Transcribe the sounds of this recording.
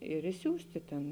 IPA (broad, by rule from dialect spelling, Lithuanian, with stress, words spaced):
ɪr ɪʃʲˈsʲuːsʲtʲɪ tʲeːn